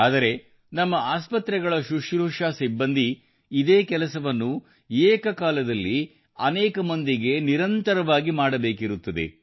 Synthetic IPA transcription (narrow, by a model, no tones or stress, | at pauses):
aːd̪ɐɾe̞ | nɐmːɐaːspɐt̪ɾɛɡɐɭɐʃuʂɾuːʂaːsibːɐnd̪ʱiː | d̪eːkɛlɐsɐʋɐnːu | eːkɐkaːlɐd̪ɐlːi | ɐnɛːkɐmɐnd̪iɡe̞niɾɐnt̪ɐɾɐʋaːɡimaːɽɐbe̞ːkiɾut̪ːɐd̪e̞̰